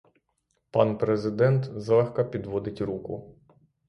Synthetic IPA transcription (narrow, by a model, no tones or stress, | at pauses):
pɑnpɾezɪd̪ɛnt̪zlˠɛxkɐpʲid̪ʋɔd̪ɪtʲɾukʊ̰